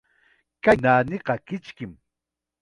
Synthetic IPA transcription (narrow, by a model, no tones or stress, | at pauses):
kanaːnɪɢɑkɪt͡ʃkɪm